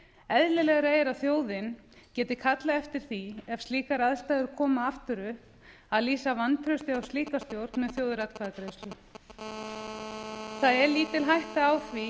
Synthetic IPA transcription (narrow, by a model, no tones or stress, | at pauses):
ɛðlɪlɛɣɾeːjɪɾawθjoːwðɪn | cɛːt̪ɪkʰat̪laɛft̪ɪɾ̥θiɛfst̪liːkaɾaðst̪aːjðʏɾkʰɔːmaaft̪ʏɾʏhp | aðliːsavant̪ʰɾœst̪ɪawst̪iːkast̪jowɾt̪nmɛðθjowðɾat̪kʰvaðakɾeːst̪ʏ | θaðɛɾliːt̪ɪlɦajht̪aawθvi